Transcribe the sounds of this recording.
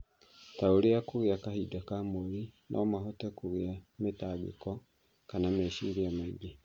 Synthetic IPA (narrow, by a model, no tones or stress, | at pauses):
taoɾeakoɣeakahidakamoɾinʔɔmaɦɔtɛkoɣeametaːɡḛkɔ | kanamɛʃiːɾeamaiɡe